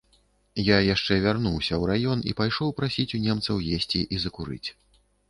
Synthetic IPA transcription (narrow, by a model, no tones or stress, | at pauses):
jajaʂt͡ʂɛvʲarnuwsʲɐwɾajɔnḭpajʂɔwpɾasʲit͡sʲunʲɛmt̪sɐwjesʲt͡sʲiʔizɐkuɾɨ̰t͡sʲ